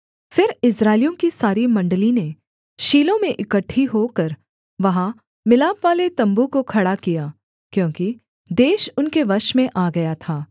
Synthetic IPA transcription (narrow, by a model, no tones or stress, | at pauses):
fɪɾɪsɾaːɪlijõkisaːɾimɐ̃ɳɖəline | ʃiːlõmẽʔɪkəʈʰːiɦokɐɾ | ʋɐɦã | mɪlaːbʋaːlet̪ɐ̃mbukokʰɐɽakijaː | kjõːki | d̪eːʃʊnkeʋɐʃmẽʔaːɡɐjat̪ʰaː